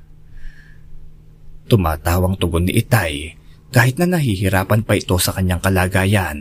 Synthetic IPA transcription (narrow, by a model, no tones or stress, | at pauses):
t̪ʊma̰ːt̪aːwɐŋt̪ʊɡonːɪ̰ʔɪt̪aj | kaːhɪt̪̚nɐnɐhiːhɪɾaːpɐnpɐʔɪt̪o̞sɐkɐɲːaŋkɐlaːɡaːjan